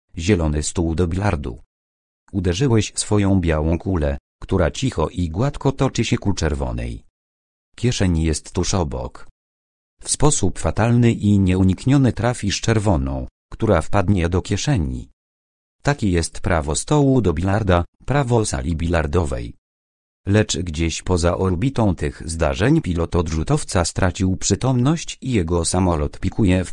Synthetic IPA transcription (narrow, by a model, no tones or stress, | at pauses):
ʑɛlɔnɘst̪uwd̪ɔbʲilaɾd̪ṵ | ud̪ɛʐɘwɛɕsfɔjɔ̃w̃bʲjawɔ̃w̃kulɛ | kt̪uɾat͡ɕixɔ̰ʔiɡwat̪kɔt̪ɔt͡ʂɘɕɛkut͡ʂɛɾvɔ̰nɛ̰j | kʲjɛʂɛɲijɛst̪ːuʂɔbɔ̰k | fspɔsupfat̪alnɘʔiɲɛuɲikɲɔnɘt̪ɾafʲiʂt͡ʂɛɾvɔnɔ̰̃w̃ | kt̪uɾafpad̪ɲɛd̪ɔkʲɛʂɛɲḭ | t̪akʲɛjɛst̪pɾavɔst̪ɔwud̪ɔbʲilaɾd̪apɾavɔsa̰lʲibʲilaɾd̪ɔvɛ̰j | lɛt͡ʂɡd͡ʑeɕpɔzaʔɔɾbʲit̪ɔ̃w̃t̪ɘɣzd̪a̰ʐɛɲpʲilɔt̪ɔd̪ʐut̪ɔft̪sast̪ɾʔat͡ɕiwpʂɘt̪ɔmnɔɕt͡ɕijɛɡɔsamɔlɔt̪pʲikʰujɛf